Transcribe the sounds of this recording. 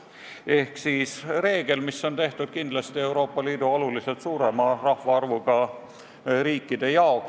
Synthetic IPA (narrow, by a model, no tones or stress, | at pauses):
e̞hksiːsre̞ːɡ̥e̞lmisːo̞nt̪e̞ht̪ud̪̥̚kind̪lɑst̪ie̞wɾo̞ːpːˑɑliːd̪uo̞lulise̞t̪suːɾe̞mɑrɑhvɑɑrvuɡ̥ɑ | ɾiːkːid̪e̞jɑo̞k